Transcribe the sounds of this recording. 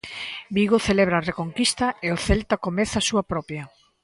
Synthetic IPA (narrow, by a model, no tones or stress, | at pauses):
biɣoθeleβɾaːrekoŋkist̪ɐeoθɛlt̪akomɛθasuɐpɾɔpjɐ